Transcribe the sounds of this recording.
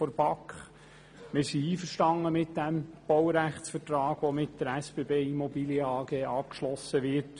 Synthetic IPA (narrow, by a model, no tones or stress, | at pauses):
fɔɾbɑkχ | mɪsiiːfəɾʃtɑŋːəmɪtd̥̪æmb̥ɔwɾæχtsfəɾtɾɑːɡ̥ʋɔmɪtd̥əɾæsb̥eːbeːimɔbiːljəɑːɡeːʔɑːp̚kʃlɔsəʋɪɾt